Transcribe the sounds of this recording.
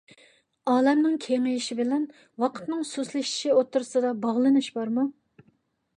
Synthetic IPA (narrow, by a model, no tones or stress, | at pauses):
ɑːlɛmnɪŋkʲʰeŋɪjiʃibɪlɛn | wɑqʰə̥t̪nɨŋsuslɪʃi̥ʃiot̪ːuɾsɨd̪ɑbɑʁlˠɨnɨʃbɑɾmu